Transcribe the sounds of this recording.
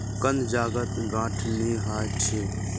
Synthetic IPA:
kənd̪d͡ʒaːɡət̪ɡãːʈʰneɦaː | t͡ʃʰeː

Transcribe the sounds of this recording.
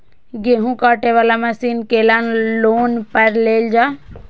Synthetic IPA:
ɡeɦũkaːʈeʋaːlaməsiːnkelanloːnpəɾleːld͡ʒaː

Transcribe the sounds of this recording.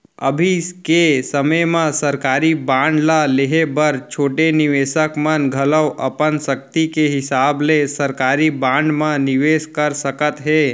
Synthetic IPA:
ə̰bʱiskesəməjmãsəɾkaːɾibãːɳɖlaleɦebəɾt͡ʃʰoːʈenɪʋeːʃəkmənɡʱɐləwʔə̰pənsək̚t̪ikeɦɪsaːblesəɾkaːɾibãːɳɖmãnɪʋeːʃkəɾsəkət̪ɦɛː

